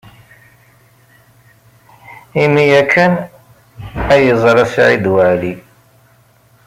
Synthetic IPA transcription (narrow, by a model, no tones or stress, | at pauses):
imijækʰːən | æjəzˤɾˤæsʕḭd̪wəʕli